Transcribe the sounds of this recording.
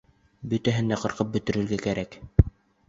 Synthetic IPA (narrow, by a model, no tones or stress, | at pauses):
bɵ̆t̪æɦɘ̆nd̪æqɤ̆ɾqɤp̚bɵ̆t̪ɵ̆ɾɘ̆ɾɡækæɾæk